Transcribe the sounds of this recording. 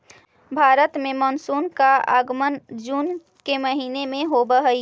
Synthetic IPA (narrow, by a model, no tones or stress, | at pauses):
bʱaːɾət̪mẽmənsunkaa̰ɡmənd͡ʒuːn | keməɦinemẽɦobəɦəi